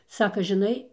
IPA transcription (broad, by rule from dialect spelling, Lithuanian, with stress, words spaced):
ˈsɑːkɐ ʒʲɪˈnɐɪ